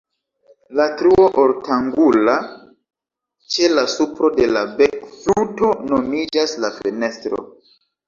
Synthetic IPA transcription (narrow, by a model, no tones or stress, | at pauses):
latɾuoʔoɾtaŋɡula | t͡ʃe̞lasupɾo̞de̞labekfluto̞nomid͡ʒaslafene̞stɾo̞̰